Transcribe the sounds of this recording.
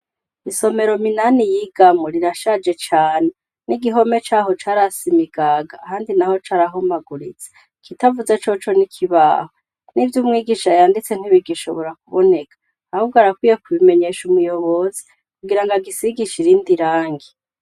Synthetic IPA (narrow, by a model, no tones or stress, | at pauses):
iso̞me̞ɾo̞minanijiɡamoɾiɾaʃad͡ʒe̞t͡ʃaːne | niɡiɦo̞me̞t͡ʃaːɦo̞t͡ʃaːɾasimiɡaɡaːhaːndinaho̞t͡ʃaːɾaɦumaɡuɾit͡se̥ | kʰitavuzet͡ʃo̞t͡ʃo̞nikʰiβa̰ːho | nivjumŋiːɡiʃajaːndit͡se̞n̥hiβiɡiʃoβoɾak̚uβone̞kḁ | ahuɡaɾakwiːjekuβime̞ɲe̞ʃumujo̞βo̞zi | kuɡiɾaŋɡaɡisiɡiʃiɾindiɾaːŋɡi